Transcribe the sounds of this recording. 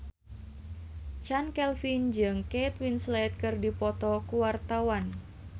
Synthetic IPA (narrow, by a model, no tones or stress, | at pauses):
t͡ʃankɛlfind͡ʒɨŋket̪winslɛt̪̚kɨrdipɔt̪ɔkuwart̪awan